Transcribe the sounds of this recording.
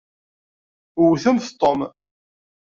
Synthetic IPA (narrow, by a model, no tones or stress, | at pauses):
ʊwθəmθt̪ˤːom